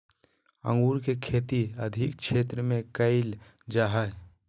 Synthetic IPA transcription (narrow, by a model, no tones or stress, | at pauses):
ə̰̃ŋɡuːɾkekʰeːt̪iəd̪ʱɪk̚ʃʰeːt̪ɾəmẽkəɪl | d͡ʒaːɦə